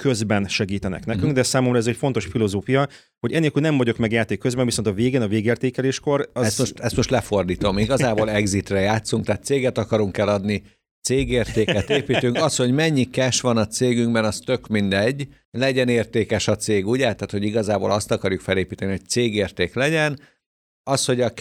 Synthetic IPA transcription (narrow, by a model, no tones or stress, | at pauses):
køzbɛnʃɛɡiːt̪ɛnɛ̰knɛkyŋɡd̪ɛsaːmo̞mrɒɛzɛcfo̞nt̪o̞ʃfilo̞zoːfijɒ | ho̞ɟɛnːelkyːlnɛɱvɒɟo̞kmɛɡjaːt̪eːkːøzbɛɱvisont̪ɒveːɡeːnɒveːɡeːrt̪eːkɛleːʃko̞ɾɒɛsmo̞ʃt̪ɛst̪mo̞ʃt̪lɛfo̞rd̪iːt̪o̞miɡɒzaːboːlɛɡzit̪rɛjaːt̪suŋkt̪aːt̪t̪seːɡɛt̪ɒkɒɾuŋkɛlɒd̪ni | t̪seːɡeːrt̪eːkɛt̪eːpiːt̪yŋkɒsho̞ɟmɛɲːikɛʃʋɒnɒt̪seːɡyŋɡbɛnɒst̪ø̞kmind̪ɛɟː | lɛɟɛneːrt̪eːkɛʃɒt̪seːɡuɟɛt̪aːt̪ho̞ɟiɡɒzaːbo̰ːlɒst̪ɒkɒrjukfɛleːpiːt̪ɛniɦo̞c̚t̪seːɡeːrt̪eːklɛɟɛn | ɒsho̞ɟɒ